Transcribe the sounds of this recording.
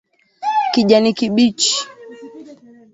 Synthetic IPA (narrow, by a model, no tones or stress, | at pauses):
kiʄanikiɓit͡ʃi̥